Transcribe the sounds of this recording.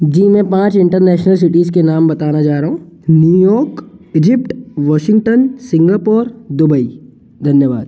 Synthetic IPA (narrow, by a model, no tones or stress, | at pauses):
d͡ʒiːmɛ̃pãːt͡ʃɪ̃ɳʈəɾnɛːʃnəls̬ɪʈiːzkenaːmbɐt̪aːnad͡ʒaːɾaɦũnjuːjɔːkɪd͡ʒɪp̚ʈʋɔːʃɪ̃ŋɡʈənsɪ̃ŋɡaːpoːɾd̪ʊbəi | d̪ʱɐnjəʋa̰ːd̪